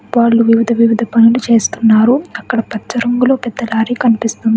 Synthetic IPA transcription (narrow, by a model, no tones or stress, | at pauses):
ʋaːɭːuʋiʋid̪ʱɐʋiʋid̪ʱɐpɐnulut͡ʃe̞ːst̪unːaːɾuɐkːɐɽɐpɐt͡ʃːɐɾɐŋɡulo̞ːpɛd̪ːɐlaːɾiːkɐnipist̪und̪i